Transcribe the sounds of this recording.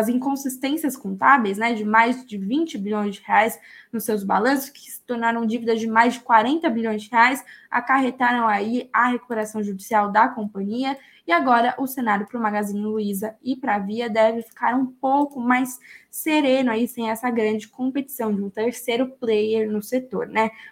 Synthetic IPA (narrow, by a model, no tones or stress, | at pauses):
ɐzĩŋkõsist̪ẽsiɐskõnt̪abejznɛd͡ʒɪmajzd͡ʒɪvĩt͡ʃɪbiʎõj̃zd͡ʒɪheajsnʊsewzba̰lɐ̃sʊ̥skɪ̥sɪ̥t̪oɾnaɾɐ̃w̃d͡ʒivid̪ɐzd͡ʒɪmajzd͡ʒɪkwaɾẽnt̪ɐbilõj̃zd͡ʒɪheajsa̰kaɦet̪aɾɐ̃w̃aiɐheku̥peɾasɐ̃w̃ʒud͡ʒisiawd̪ɐkõpɐ̃ɲiɐ | ɪaɡɔɾɐʔʊsenaɾjʊpɾʊmaɡazĩɲʊluizɐɪpɾaviɐd̪ɛvɪfi̥kʰaɾũpowkʊmajsːeɾẽnʊaisẽj̃ɛsɐɡɾɐ̃d͡ʒɪkõpet͡ʃi̥sɐ̃w̃d͡ʒɪũt̪eɾsejɾʊplejeɾnʊset̪o̰ɾnɛ